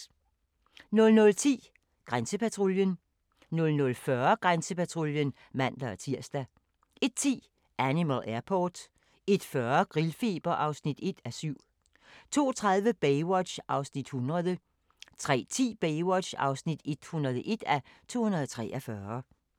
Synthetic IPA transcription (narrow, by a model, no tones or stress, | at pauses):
nɔ̽lnɔ̽lt͡sʰḭː | ɡ̥ʁansəpʰæt͡sʰʁoljən | nɔ̽lnɔ̽lfɶːɐɡ̥ʁansəpʰæt͡sʰʁoljən | mæn̰d̥ɐɒt͡sʰiɐ̰sd̥æ | ʔe̝d̥̚t͡sʰḭː | ʔænimælʔæɐpʰɒːd̥ | e̝d̥fɶɐɡ̥ʁilfe̝ːb̥ɐʔɑ̈ʊsnid̥e̝d̥æsyʊ̰ | t͡sʰo̝̰ːt͡sʰʁaðˠʋəb̥eɪwɒd̥ɕʔɑ̈ʊsnid̥hunʁɐðˠə | t͡sʰʁɛ̰ːt͡sʰḭːb̥eɪwɒd̥ɕɑ̈ʊsnid̥e̝d̥hunʁɐðˠəʔe̝d̥æt͡sʰo̝̰ːhunɐð̩ˠɒt͡sʰʁɛ̰ːʔɒfɶːɐ